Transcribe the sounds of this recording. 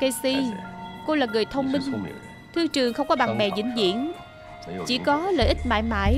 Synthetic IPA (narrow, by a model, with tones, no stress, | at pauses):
kə˧si˧ko˧laː˨˩ŋɨ˨˩əjt̪ʰə˧wŋ͡mmï˧ŋ̟ | t̪ʰɨ˧ət͡ɕɨ˨˩əŋxə˧wŋ͡mkɔ˨˦ɓa˨˩ŋmɛ̰˨˩zḭ˧˥ŋ̟zḭ˧˨˥ən | t͡ɕḭ˧˩˥kɔ˨˦lə̰ː˧˨jʔi˦˥k̟̚ma̰ː˧˨jma̰ː˧˥˨j